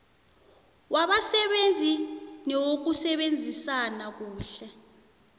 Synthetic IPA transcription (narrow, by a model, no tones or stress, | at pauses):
waɓasɛɓend͡zʱinɛwok̬usɛɓend͡zʱisanak̬uːɬɛ